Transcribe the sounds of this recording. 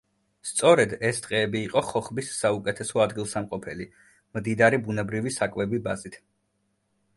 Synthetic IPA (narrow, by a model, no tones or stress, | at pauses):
st̪sʼɔɾɛd̪ɛst̪ʼqʼɛːbiːqʼɔχɔχbisːaukʼɛt̪ʰɛsɔad̪ɡilˠsamqʼɔpʰɛli | md̪id̪aɾibunɛbɾivisakʼvɛbibazit̪ʰ